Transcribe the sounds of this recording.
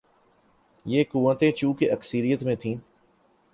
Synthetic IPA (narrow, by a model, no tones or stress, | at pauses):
jeːkuʋət̪ẽt͡ʃũːkeʔəksəɾijət̪mẽt̪ʰĩː